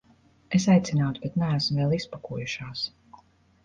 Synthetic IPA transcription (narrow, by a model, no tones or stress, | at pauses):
es̬ajt̪sʲinaːt̪ubɛt̪nææsmvɛːlˠispakuɔjuʃaːs